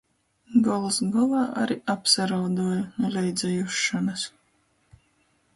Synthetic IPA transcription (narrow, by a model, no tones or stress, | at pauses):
ɡɔlˠsɡɔlˠɑːʔa̰ɾiʔapsaɾawd̪uɔjnulʲɛjd̪zʲɛjuʃːanas